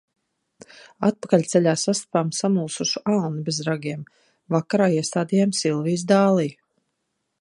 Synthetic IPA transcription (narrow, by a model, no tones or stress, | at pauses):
at̪̚pḁkalʲt̪sɛʎʲaːsast̪ḁpaːmsamuːsuʃuʔalnibezɾaɡʲiɛm | vakaɾaːiɛst̪aːd̪ijamsilˠviːz̬d̪aːlˠij